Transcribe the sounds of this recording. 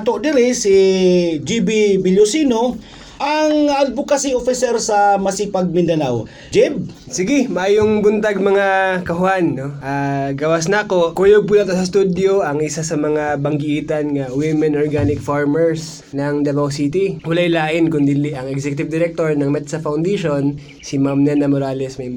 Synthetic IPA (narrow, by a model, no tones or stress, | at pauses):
t̪oʔd̪ɪɾɪsɪd͡ʒibibɪljosiːno | ʔɐŋɐlbʊkasiofisɛɾsɐmɐsipɐɡ̚mɪnd̪ɐnaw | d͡ʒɪb̚ | sɪɡɪmɐʔaːjʊŋbʊnt̪aɡ̚mɐŋakɐɦʊanːoʔaːɡɐwas̬nɐɐko̞kuːjoɡ̚puːlɐŋk̪osɐst̪uːd̪joʔɐŋʔɪsasɐmɐŋabɐŋɡɪʔiːt̪ɐnŋɐwɪmɛnɔɹɡanɪk̚faɹmɛɹs | nɐŋd̪ɐbawsit̪ihʊlɐjlaːʔɪnkʊnd̪iliʔɐŋɛksɛkjʊt̪ɪvd̪ɪɾɛk̚t̪oɹnɐŋmɛt̪sɐfɐwnd̪ɛʃon | sɪmamnɛnɐmoɾalɛsmɐj